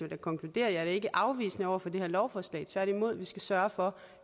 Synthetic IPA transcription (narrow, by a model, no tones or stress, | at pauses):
d̥ækʰɒ̽ŋkʰlud̥e̝̰ːɐjɑæɐɾ̥ee̝ɡ̥əʔɑ̈ʊʋḭːsnəɒʊ̰ɐfɒ̽d̥e̝hɛɐlɒʊfɒːslɛ̰ɪt͡sʰʋæɐ̰ɾ̥imo̝ð̞̰ˠʋisɡ̥æsɶɐfɒ̽